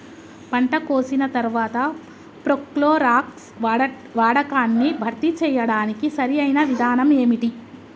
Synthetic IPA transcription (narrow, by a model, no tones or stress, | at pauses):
pɐɳʈɐkoːsinɐt̪ɐɾʋaːt̪ɐ | pɾokloːɾaːks | ʋaːɽɐkaːnːibʱɐɾt̪it͡ʃɛːjɐɽaːnikisɐɾiɐjnɐʋid̪ʱaːnɐmeːmiʈi